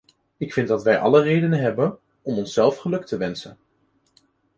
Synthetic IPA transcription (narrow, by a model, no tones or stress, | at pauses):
ɪkfɪndɑtʋɛjʔɑ̰lərejdənənɦɛbən | ɔmɔnsɛlˠfχəlɵk̚təʋɛnsən